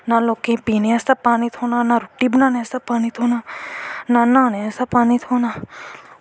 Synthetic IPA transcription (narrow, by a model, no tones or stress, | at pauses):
nalokẽpineast̪apaːnit̪ʰonanaɾuʈːibnaneɐst̪apaːnit̪ʰonanananeast̪apaːnit̪ʰona